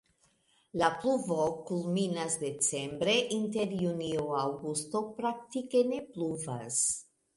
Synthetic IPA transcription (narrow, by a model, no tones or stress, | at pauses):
lapluvo̞kulminasde̞t͡se̞mbɾe̞ʔinte̞ɾjunioawɡusto̞pɾak̚tike̞ne̞pluva̰s